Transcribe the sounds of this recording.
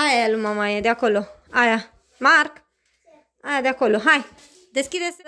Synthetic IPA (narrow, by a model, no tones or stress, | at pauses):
ajajalumamajad̪jakoloaja | maɾk | ajad̪jakoloɦaj | d̪eskʲid̪es